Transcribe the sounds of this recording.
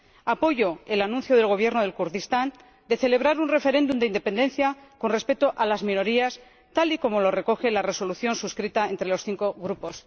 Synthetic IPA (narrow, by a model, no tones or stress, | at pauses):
apo̞ʝo̞elanũnθjo̞ð̞e̞lɣ̞o̞β̞je̞ɾnoð̞e̞lkuɾðist̪an | d̪e̞θe̞le̞β̞ɾaɾunre̞fe̞ɾe̞nd̪umd̪eind̪e̞pe̞nd̪e̞nθjako̞nre̞spe̞t̪oʔalazmĩno̞ɾias | t̪aliko̞mo̞lo̞re̞ko̞xe̞lare̞so̞luθjo̞nsuskɾit̪ae̞nt̪ɾe̞lo̞sθiŋko̞ɣɾupo̞s